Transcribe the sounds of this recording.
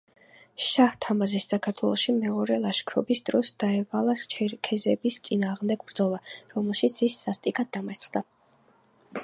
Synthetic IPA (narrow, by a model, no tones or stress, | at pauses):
ʃaht̪ʰamazisːakʰaɾt̪ʰwɛlˠɔʃimɛɔɾɛlˠaʃkʰɾɔbisd̪ɾɔsd̪̥aɛvalˠakʰɛzɛbist̪sʼinaːʁmd̪ɛɡbɾd̪zɔlˠaɾɔmɛlˠʃit̪sʰisːast̪ʼikʼad̪̚ːamat̪sʰχd̪a